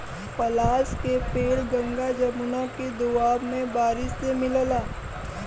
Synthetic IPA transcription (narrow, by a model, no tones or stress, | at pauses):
pɐlaːskepeːɽɡə̃ŋɡad͡ʒɐmʊnaked̪ʊaːbmẽbaːɾɪʃsemɪllaː